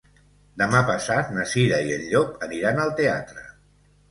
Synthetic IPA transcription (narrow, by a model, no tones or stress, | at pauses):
d̪əmapəsat̪nəsiðəiəʎʎɔpəniɾanəlˠt̪ea̰t̪ɾə